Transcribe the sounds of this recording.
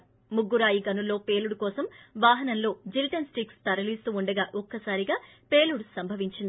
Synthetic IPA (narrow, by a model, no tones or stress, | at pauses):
muɡːuɾaːjiɡɐnulːo̞ːpe̞ːluɽukɔːsɐmʋaːɦɐnɐnlo̞ːd͡ʒiliʈɐnsʈikst̪ɐɾɐlist̪uːuɳɖɐɡaːʔɔkːɐsaːɾiɡaː | pe̞ːluɽusɐmbʱɐʋiɲt͡ʃind̪i